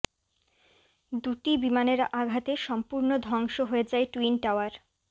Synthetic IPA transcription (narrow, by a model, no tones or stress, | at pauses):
d̪uʈibimaneɾaɡʱat̪eʃɔmpuɾnod̪ʱɔŋʃoɦoed͡ʑaeʈuinʈawaɾ